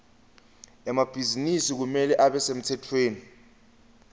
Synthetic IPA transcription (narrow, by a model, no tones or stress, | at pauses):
ɛmab̥ʱizinisik̬umɛlɛʔaɓɛsem̩tʰɛtʰweːni